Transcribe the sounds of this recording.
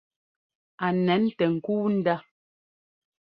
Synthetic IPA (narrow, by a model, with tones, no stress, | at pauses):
a˨nɛ˨˦n˦tɛ˨ŋ̩˨kuː˦n̩˦da˦